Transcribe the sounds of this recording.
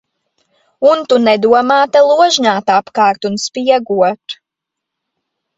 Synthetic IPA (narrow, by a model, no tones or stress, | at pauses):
unt̪unɛd̪uɔmaːt̪alˠuɔʒɲaːt̪apkɑːɾt̪unspiɛɡuɔt̪